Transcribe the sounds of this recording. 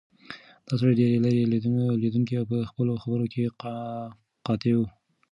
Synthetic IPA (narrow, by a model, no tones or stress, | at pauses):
d̪̥ɑs̬aɾad̪ɾelaɾeled̪unled̪uŋkiawpəxpəloxabəɾokʰe | qɑt̪ewu